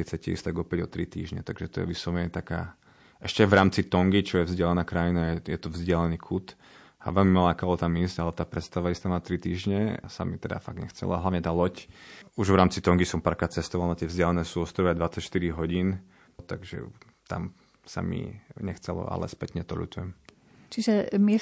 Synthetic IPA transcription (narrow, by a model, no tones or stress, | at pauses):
kɛt͡sɛcɛḭst̪aɡɔpɛɟɔt̪ɾit̪ḭːʒɲɛ̰t̪aɡʒɛt̪ɔjɛ̰ʋisɔʋɛt̪aka̰ː | ɛʃcɛaʋɾaːmt͡sit̪ɔŋɡit͡ʃɔjɛvzɟɪalɛnaːkɾajinajɛjɛt̪ɔvzɟɪalɛniːkʰut̪ | a̰ʋɛlmimalaːkaːlɔt̪amisɟalɛt̪aːpɾɛt̪st̪aʋaist̪aʋnat̪ɾit̪iːʒɲɛsa̰mit̪ɛd̪a̰faɡ̚ɲɛxt͡sɛ̰la̰ɦlaʋɲɛt̪aːlɔcuʒʋɾaːmt͡sit̪ɔŋɡisɔmpaːɾkɾat̪t͡sɛst̪ɔʋalnat̪ɪɛvzɟɪalɛnɛːsuːɔst̪ɾɔʋiad̪ʋat͡sacʃt̪iɾiɦɔɟiːn | t̪a̰ɡʒɛ̰ | t̪a̰m | sa̰mḭɲɛxt͡sɛ̰lɔ̰a̰lɛ̰spɛt̪ɲɛt̪ɔlṵt̪ujɛm | t͡ʃiʒɛmɪɛ